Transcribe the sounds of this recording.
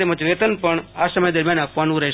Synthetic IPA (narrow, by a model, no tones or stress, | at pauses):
eməd͡ʒʋet̪ənpəɳasəməjd̪əɾmjanakʰʋanũɾɛɦ